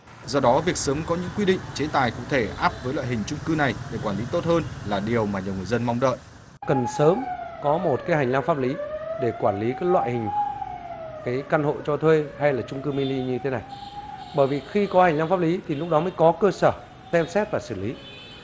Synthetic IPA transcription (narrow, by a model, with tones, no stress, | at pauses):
zɔ˨˩ɗɔ˨˦vi˨˩ək̚səː˨˦mkɔ˨˦ɲɨ̰˧˥ŋkwi˧ɗḭ̈˧˨ŋ̟t͡ɕe˨˦t̪aː˨˩jkʊ̰˧˨t̪ʰe˧˩ʔaː˦˥p̚vəː˨˦jlwa̰ː˧˨hï˨˩ŋ̟t͡ɕʊ˧ŋ͡mkɨ˧na˨˩jɗe˧˩kwaː˧˩nli˨˦t̪o˦˥t̚həː˧nlaː˨˩ɗi˨˩əwmaː˨˩ɲə˨˩wŋɨ˨˩əzə˧nma˧wŋ͡mɗə̰ː˧˨j | kə˨˩nsəː˨˦mkɔ˨˦mo˨˩t̚kaː˨˦jha˨˩jŋ̟laː˧ŋfaː˦˥p̚li˨˦ɗe˧˩kwaː˧˩nli˨˦kaː˨˦jlwa̰ː˧˨jhï˨˩ŋ̟ | kaː˨˦jka˧nho̰˧˨t͡ɕɔ˧t̪ʰəː˧jha˧jlaː˨˩t͡ɕʊ˧ŋ͡mkɨ˧mi˧li˧ɲɨ˧t̪ʰe˨˦na˨˩jɓəː˧˩jvḭ˨˩xi˧kɔ˨˦ha˨˩ŋ̟laː˧ŋfaː˦˥p̚li˨˦t̪ʰi˨˩lʊ˦˥k͡p̚ɗɔ˨˦məː˨˦jkɔ˨˦kəː˧səː˧˩ | sɛ˧msɛ˦˥t̚vaː˨˩sɨ˧˩li˨˦